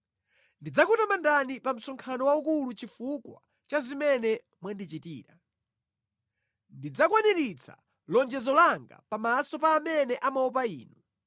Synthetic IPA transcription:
ndid͡zakutamandanipam̩sɔŋkʰanɔwaukulut͡ʃifukwa̰ | t͡ʃazimɛnɛ | mwandit͡ʃitiːɾa | ndid͡zakwaniɾit͡sʰa̰ | lɔnd͡ʒɛzɔlaŋɡa̰pamasɔpaːmɛnɛʔamaɔp̬aḭːnu

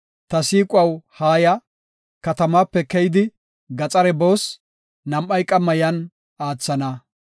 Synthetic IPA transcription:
t̪ɐsiːkʼʊɐwhaːjɐ | kɐt̪ɐmaːpːɛkɛjɪd̪ɪ | ɡɐt͡sʼɐɾɛboːs | nɐmɐjkʼɐmːɐjɐn | aːt͡sːɐnɐ

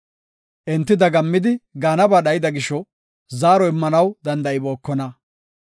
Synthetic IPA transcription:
ʔɪnt̪ːɪd̪ɐɡɐmːɪd̪ɪɡaːnɐbaːɗɐjɪd̪ɐɡɪʃɔ | zaːɾɔɪmːɐnɐwd̪ɐnd̪ɐɪboːkːɔnɐ

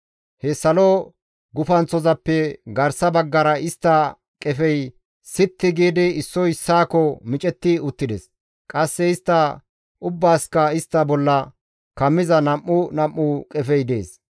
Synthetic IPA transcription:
hɛsɐlɔ | ɡʊfɐnt͡sːɔzɐpːɛɡɐɾsɐbɐɡːɐɾɐɪst̪ːɐ | kʼɛfɛj | sɪt̪ːɪɡiːd̪ɪɪsːɔjɪsːaːkɔmɪt͡ʃʼɛt̪ːɪʊt̪ːɪd̪ɛs | kʼɐsːɛɪst̪ːɐ | ʔʊbːaːskɐɪst̪ːɐbɔlːɐ | kɐmːɪzɐnɐmːʊnɐmːʊkʼɛfɛjd̪e̞̰ːs

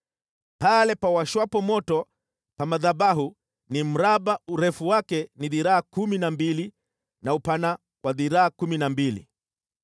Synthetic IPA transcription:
palɛpawaʃwapɔmɔtɔ | pamaðaɓaɦu | nim̩ɾaɓauɾɛfuwakɛniðiɾaakuminambili | naupana | wʔaðiɾaakuminambilḭ

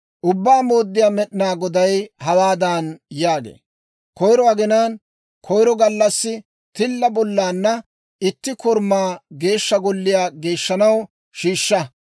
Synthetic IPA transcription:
ʔʊbːaːmoːd̪ːɪjaːmɛɗɪnaːɡɔd̪ɐjhɐwaːd̪aːnjaːɡḛː | kɔjɾɔɐɡɪnaːn | kʰɔjɾɔɡɐlːɐsːɪ | t̪ɪlːɐbɔlːaːnːɐ | ɪt̪ːɪkɔɾmaːɡe̞ːʃːɐɡɔlːɪjaːɡe̞ːʃːɐnɐw | ʃiːʃːɐ

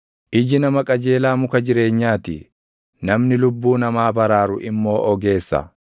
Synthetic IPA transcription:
ʔɪd͡ʒɪnɐmɐkʼɐd͡ʒe̞ːlaːmʊkɐd͡ʒɪɾe̞ːɲːaːt̪ɪ | nɐmnɪlʊbːuːnɐmaːbɐɾaːɾʊʔɪmːo̞ːʔɔɡe̞ːsːɐ̰

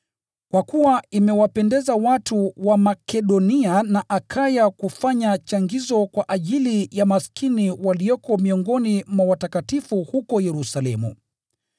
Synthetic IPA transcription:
kwakuwaimɛwapɛndɛzawatuwamakɛɗɔnianaʔakʰajakufaɲat͡ʃaŋɡizɔkwaʔaʄilijamaskiniwaliɔkɔmiɔŋɡɔnimwawatakatifuhukɔjɛɾusalɛmṵ

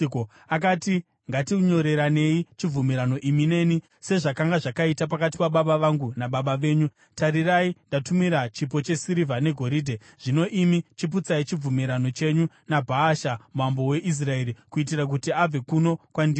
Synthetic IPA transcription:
ko | ak̬ati | ŋɡatiuɲo̞ɾe̞ɾane̞it͡ʃib͡vumiɾano̞ʔimine̞ni | se̞ʐakaŋɡaʐakaitap̬akat̬i̥paɓaɓaʋaŋɡunaɓaɓaʋe̞ːɲu | taɾiraindatumiɾat͡ʃipo̞t͡ʃe̞siɾivane̞ɡʱo̞ɾiːdʱe | ʐ̥ino̞ʔimit͡ʃip̬ut͡sait͡ʃib͡vumiɾano̞t͡ʃe̞ɲu | nabʱaːʃamuambo̞we̞ʔis̬rae̞ːɾikuit̬irak̬utiab͡ve̞kuno̞kwandi

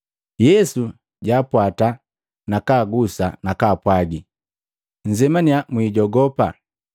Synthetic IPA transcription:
jɛsu | ɟaːpwata | nakaːɡusa̰nakaːpwaɡi | ɲ̩d͡ʒɛmaniamwiːɟɔɡɔpa̰

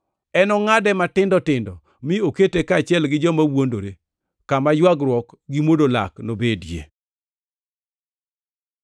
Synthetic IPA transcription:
ɛnɔŋadɛmatɪndɔtɪndɔ | mɪoketekat͡ʃjɛlɡɪd͡ʒɔmawondo̰ɾe | kamajwaɡɾwɔkɡimodola̰knobedjḛ

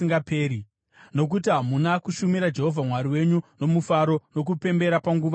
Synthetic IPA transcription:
iŋɡapeːɾi | no̞k̬utiɦamunakuʃumiɾad͡ʒe̞ɦo̞vʱamwaɾiwe̞ɲuno̞mufaɾo̞no̞k̬upe̞mbe̞ɾapaŋɡuːʋa

